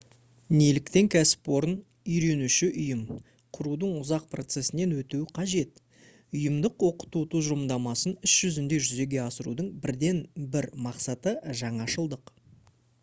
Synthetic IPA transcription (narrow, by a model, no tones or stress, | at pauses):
nelɪkt̪e̞ŋkʲʰæsɪ̥pwo̞ɾən | ʏjɾe̞nuʃɪʔʊjəm | qʰʊɾud̪əɴʊzɑq̚pro̞t̪se̞sɪne̞nwɵt̪uwɪqʰɑʒe̞t̪ | ʊjəmd̪əqwo̞qə̥t̪ut̪ʰuzmd̪ɑmɑsənɪsʒ̥ʏzɪnd̪e̞ʒʏze̞ɡʲe̞ɑsəɾṵd̪əɴbɪɾd̪e̞nbɪɾmɑqsɑt̪əʒɑɴɑʃəlˠd̪əq